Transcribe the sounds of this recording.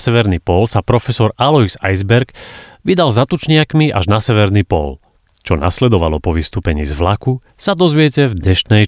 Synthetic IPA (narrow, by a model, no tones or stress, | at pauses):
sɛʋɛɾniːpɔlsapɾɔfɛsɔɾalɔizajzbɛɾɡʋid̪alzat̪ut͡ʃɲɪakmiʔa̰ʒnasɛʋɛɾnipɔ̰l | t͡ʃɔna̰slɛd̪ɔʋalɔpɔʋist̪uːpɛɲḭːzʋlaku | sad̪ɔzʋɪɛcɛvdɲɛʃnɛj